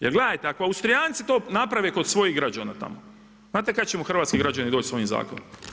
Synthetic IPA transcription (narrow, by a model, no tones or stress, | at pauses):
jelɡle̞d̪ajt̪eakoaust̪ɾijaːnt̪sit̪o̞ːnapɾaʋeko̞d̪sʋo̞jiɣɡɾad͡ʑaːnat̪a̰mo | znaːt̪ekad̪t͡ɕemoxr̩ʋaːt̪kiɡɾad͡ʑanid̪oːt͡ɕsoʋimza̰ːkonom